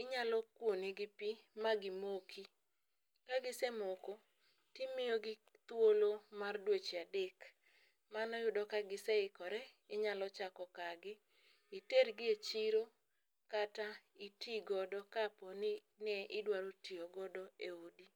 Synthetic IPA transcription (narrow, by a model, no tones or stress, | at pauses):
ɪɲalɔkwoneɡɪpimaɡɪmokʰi | kaɡɪsɛmoko | tɪmɪjoɡɪ | t̪wolomardwet͡ʃeadek | manɔjʊdɔkaɡɪsɛɪkɔɾɛ | ɪɲalɔt͡ʃakɔkaɡɪ | iterɡɪet͡ʃiɾo | kataitiɡɔdɔkapɔnɪ | nɛʔɪdwaɾotioɡɔdɔeodi